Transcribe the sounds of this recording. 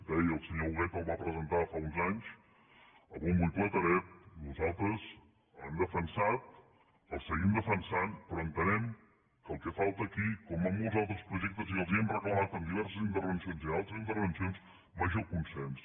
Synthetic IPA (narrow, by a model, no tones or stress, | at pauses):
d̪ɛjəlˠsəɲouɣɛkəlˠβapɾəzənt̪afaunzaɲs | əlβumbujplɛt̪əɾɛt̪̚nuzalˠt̪ɾəz | ə̰nd̪əfənsat̪̚ | əlˠsəɣimd̪əfənsanpɾɔənt̪ənɛm | kəlˠkɛfalˠt̪əːkikɔməmɔlˠzalˠt̪ɾəspɾuʒɛk̚t̪əziəlˠziəmrəklˠəmat̪əmd̪iβɛɾsəzint̪əɾβ̞ənsionzialˠt̪ɾəzint̪əɾβ̞ənsions | maʒəlˠkunsɛns